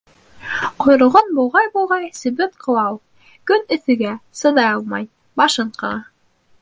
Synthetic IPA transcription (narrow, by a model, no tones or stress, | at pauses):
qŏjɾɤ̆lˠʁonbulˠʁɑjbulˠʁɑjsɵ̆bɘkqʰɤ̆lˠɑw | kɵnɵ̆θɵ̆ɡæsɤ̆ðɑjɑlˠmɑj | bɑʃɤɴqɤ̆nɑ